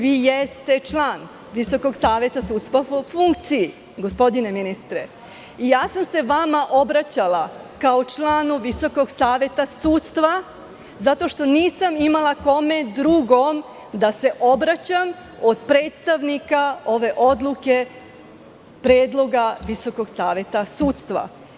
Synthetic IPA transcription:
ʋiːjest̪e̞t͡ʃlˠaːn | ʋiso̞ko̞ɡsaːʋe̞t̪asuːt̪st̪ʋafuŋkt̪siji | ɡo̞spo̞d̪ine̞minist̪ɾe | ijaːsamse̞ʋamaʔo̞bɾat͡ɕalakaot͡ʃlaːnuʋiso̞ko̞ɡsaːʋe̞t̪asuːt̪st̪ʋa | zat̪o̞ʃt̪o̞niːsamimalˠako̞me̞d̪ɾuɡo̞m | d̪ase̞ʔo̞bɾat͡ɕam | o̞d̪pɾe̞ːt̪st̪aʋnikao̞ʋe̞ʔo̞d̪lˠuke̞ | pɾeːd̪lˠo̞ɡaʋiso̞ko̞ɡsaːʋe̞t̪asuːt̪st̪ʋa̰

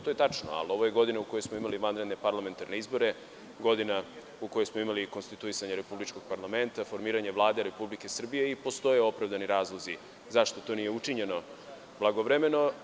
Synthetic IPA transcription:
t̪ojet̪at͡ʂno̰a̰lo̞ʋo̞je̞ɡo̞d̪inauko̞josmo̞imaliʋanɾe̞d̪nepaɾlˠame̞nt̪aɾne̞izbo̞ɾe̞ | ɡo̞d̪ina | ukojosmo̞imaliko̞nst̪it̪uisaɲeɾe̞publit͡ʃko̞ɡ̥̚paɾlˠame̞nt̪afo̞ɾmiːɾaɲeʋlˠaːd̪eɾe̞publike̞sr̩bije̞ipo̞st̪o̞jeo̞pɾavd̪aniɾaːzlˠozi | zaʃt̪o̞t̪o̞nije̞ut͡ʂiɲe̞no̞ | blˠaɡoʋɾeme̞no̞

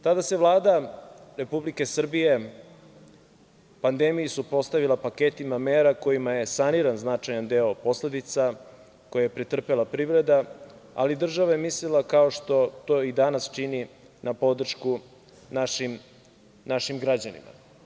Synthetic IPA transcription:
t̪ad̪ase̞ʋlˠaːd̪aɾe̞publike̞sr̩bije̞ | pand̪emijisupɾo̞st̪aʋilˠapaket̪imameːɾako̞imaje̞saniɾanznat͡ʂajand̪e̞o̞po̞sle̞d̪it̪sa | ko̞jaje̞pɾit̪r̩pe̞lˠapɾiːvɾe̞d̪aa̰lid̪r̩ʒaʋajemislilˠakaoʃt̪o̞t̪oid̪anast͡ʃini | napo̞d̪r̩ʃku | naʃim | naʃimɡɾad͡ʑanḭma̰

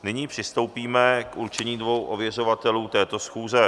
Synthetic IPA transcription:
nɪɲiːpr̥ɪst̪o̞wpiːmɛkʔuɾt͡ʃɛɲiːdvo̞wʔovjɛr̝o̞vat̪ɛluːt̪ɛːt̪o̞sxuːzɛ

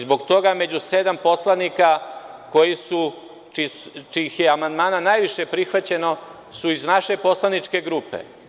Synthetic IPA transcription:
zbo̞ɡt̪o̞ɡamed͡ʑuse̞d̪ampo̞slˠanikako̞jisu | t͡ʃit͡ʃixjeamand̪maːnanajʋiʃe̞pɾixʋat͡ɕe̞no̞ | suiznaʃe̞po̞slˠanit͡ʃke̞ɡɾupe̞̰

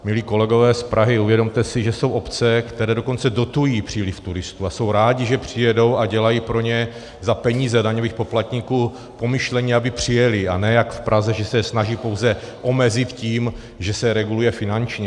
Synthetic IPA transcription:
mɪliːko̞lɛɡo̞vɛːspɾʔaɦɪuvjɛdo̞mt̪ɛsɪʒɛso̞wʔo̞pt͡sɛkt̪ɛɾɛːdo̞ko̞nt͡sɛdo̞t̪ujiːpr̝̥iːlɪft̪uɾɪst̪uaso̞wɾaːɟɪʒɛpr̝̥ɪjɛdo̞waɟɛlajiːpɾo̞ɲɛ | zapɛɲiːzɛdaɲo̞viːxpo̞plat̪ɲikuː | po̞mɪʃlɛɲɪabɪpr̝̥ɪjɛlɪanɛːjakfpɾʔazɛʒɛsɛsnaʒiːpo̞wzɛ | ʔo̞mɛzɪt̪ciːm | ʒɛsɛɾɛɡulujɛfɪnant͡ʃɲɛ

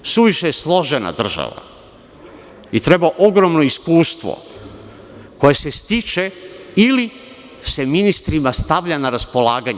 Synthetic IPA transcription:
suʋiʃejeslˠo̞ʒena̰d̪r̩ʒa̰ʋa̰ | it̪ɾe̞baʔoɡɾo̞mnoiskuːst̪ʋo̰ | ko̞jese̞st̪it͡ʃe̞ili | se̞minist̪ɾimast̪aʋʎanaɾaspo̞laːɡaɲ

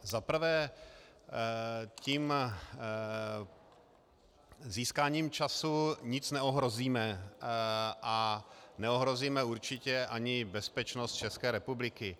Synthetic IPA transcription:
zapɾ̩vɛː | ciːm | ziːskaːɲiːmt͡ʃasuɲɪt͡snɛoɦɾo̞ziːmɛ | ʔanɛo̞ɦɾo̞ziːmɛuɾt͡ʃɪcɛʔaɲɪbɛspɛt͡ʃnost̪̚t͡ʃɛskɛːɾɛpublɪkɪ

